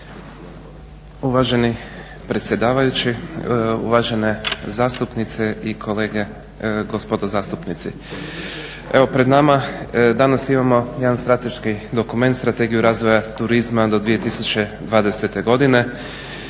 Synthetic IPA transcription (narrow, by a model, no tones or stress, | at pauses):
uʋaʒeni | pɾet̪sʲje̞d̪aːʋajut͡ɕiṵʋaːʒe̞nezaːst̪upnit̪seikʰo̞le̞ːɡe̞ | ɡospo̞d̪ozaːst̪upnit̪sḭ | eʋo̞pɾe̞d̪namad̪anasimamo̞jed̪anst̪ɾat̪e̞ʃkid̪o̞kume̞nt̪st̪ɾat̪e̞ɡijuɾaːzʋo̞jat̪uɾizmad̪o̞d̪ʋije̞t̪isut͡ɕe̞d̪ʋaːd̪e̞se̞t̪e̞ɡo̞d̪ine̞